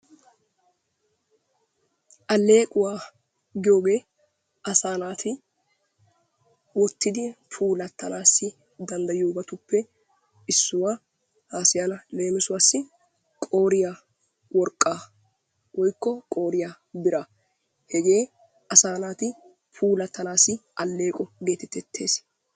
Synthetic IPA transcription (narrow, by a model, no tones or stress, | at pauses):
ʔɐle̞ːkʼʊwaː | ɡɪjo̞ːɡe̞ː | ɐsaːnaːt̪ʰɪ | wɔt̪ːɪd̪ɪpʰuːlɐt̪ːɐnaːsːɪ | d̪ɐnd̪ɐjoːbɐt̪ʊpːɛ | ɪsːʊwaː | haːsɪjaːlɐle̞ːmɪsʊwaːsːɪ | kʼo̞ːɾɪja | wɔɾkʼːaː | wʔɔjkːɔkʼo̞ːɾɪjaː | bɪɾɐ | hɛɡe̞ː | ɐsaːnaːt̪ɪ | pʰuːlɐt̪ʰːɐnaːsɪʔɐlːe̞ːkʼɔɡeːt̪ɛt̪ːɛt̪ʰːe̞ːs